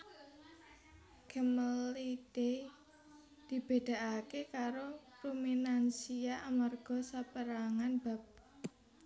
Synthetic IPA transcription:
ɡ̥əməlid̥e | d̪̥i̤b̥ed̪̥a̤akekaɾopɾominansiaʔamarɡ̥ɔ̤sapəɾaŋanb̥a̤p̚

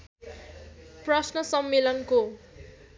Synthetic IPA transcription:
prʌsnʌsʌmːelʌnko

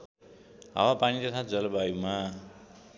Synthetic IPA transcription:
ɦa̰wapanit̪ʌt̪ʰãd͡zʌlʌbajuma

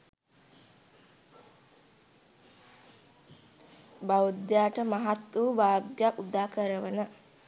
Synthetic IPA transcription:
bawud̪jaːʈəmaɦat̪ːuʋaːɡjaʔud̪aːkəɾəʋənə

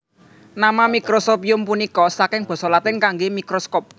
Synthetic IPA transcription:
namamikɾosopiʊmpunikɔsakɪŋb̥ɔ̤sɔlat̪ɪŋkaŋɡemikɾoskɔp̚

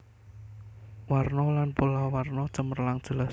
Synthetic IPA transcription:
warnɔlanpolawarnɔ̥t͡ʃəmərlaŋd̥ʒ̥əla

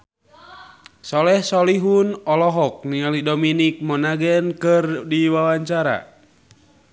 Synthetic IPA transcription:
sɔlɛhsɔliɦunɔlɔɦɔk̚nialidominik̚mɔnaɡɛnkɨrdiwawaɲt͡ʃaɾa̰

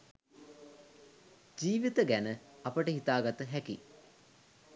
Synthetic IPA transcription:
d͡ʒiːʋit̪əɡænəɐpəʈəɦit̪aːɡat̪əɦæki

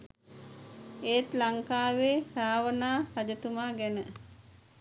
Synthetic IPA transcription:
eːt̪laŋkaːʋeːɾaːʋənaːhad͡ʒət̪umaːɡænə

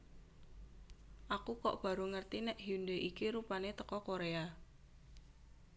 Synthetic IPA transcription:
ʔakukɔ̰ʔb̥a̤ɾoŋərt̪inɛʔɦiund̪eʔikiɾupanet̪əkɔkoɾea

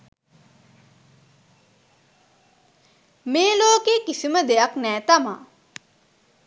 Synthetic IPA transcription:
meːloːkeːkisiməd̪ejaknɛːt̪ama̰

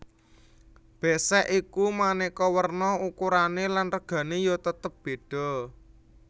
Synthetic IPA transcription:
b̥e̤sɛʔikumanikɔwərnɔukuɾanelanrəɡ̥ä̤nejot̪ət̪əp̚b̥e̤ɖ̥ɔ̤

